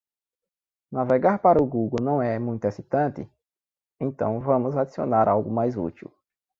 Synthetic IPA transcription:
navɛɡaɾpaɾɐʊɡuɡownɐ̃w̃ɛmũj̃t̪ʊesit̪ɐ̃nt̪ɪ̰ | ẽt̪ɐ̰̃w̃vɐ̃mʊzad̪isio̰naɾʔawɡʊmajzṵt̪ḭw

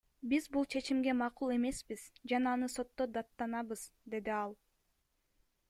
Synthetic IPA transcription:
bizbulˠt͡ʃʰe̞t͡ʃimɡe̞mɑqulˠe̞me̞spiz̥d͡ʒɑnɑːnɯso̞t̪ːo̞d̪ɑt̪ːɑnɑβɯz̥d̪e̞d̪iɑlˠ

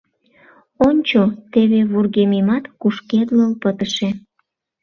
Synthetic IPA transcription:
onʲt͡ɕot̪eβeβurɣemimɑt̪kuʃked̪ləlpət̪əʃe

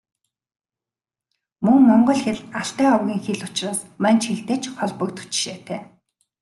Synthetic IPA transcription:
mɵŋmɔɴɢɞ̆ɮxeɮaɬt̪æːɔwɣʲiːŋxeɮʊt͡ɕraːsmant͡ɕxeɮt̪eːt͡ɕχɔɮpɞ̆k̚t̪ʰu̥t͡ɕɪ̥̆ʃeːt̪ʰæː

